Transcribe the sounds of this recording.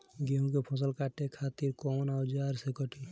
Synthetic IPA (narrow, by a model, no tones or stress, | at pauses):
ɡeɦũkepʰɔs̬ɔlkaʈekʰat̪iɾkɔnawd͡ʒaɾsekɔʈi